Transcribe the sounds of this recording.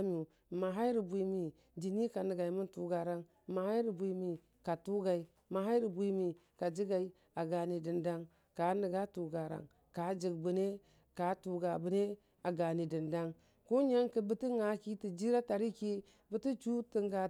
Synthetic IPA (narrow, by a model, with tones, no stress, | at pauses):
m˦u˨ | ma˨ɦa˦ɾi˨bʷi˨mi˨ | d͡ʒi˨ni˦ka˨nə˨ɡa˨i˨mu˦ntu˨ɡa˨ɾa˦ŋ | ma˨ha˦i˦ɾi˨bʷu˨˦mi˨ | ka˨tu˦ɡa˨i˨ | ma˨ɦa˦ɾi˨bʷi˦mi˨ | ka˨d͡ʒi˦ɡa˨i˨˦ | a˨ɡa˨ni˨di˨nda˦ŋ | ka˨˦ni˨ɡa˦tu˨ɡa˨ɾa̰˨ŋ | ka˨˦d͡ʒi˨ɡ̚bu˨ne˦ | ka˨˦tu˨ɡa˨bu˨ne˦ | a˨ɡa˨ni˨di˨nda˦ŋ | ko˦ɲa˦ŋkə˨bə˦ti˦ŋa˦ki˦ti˨d͡ʒi˦ɾa˦ta˨ɾi˦ki˦ | bə˦ti˦t͡ʃu˦ti˨ŋɡa˨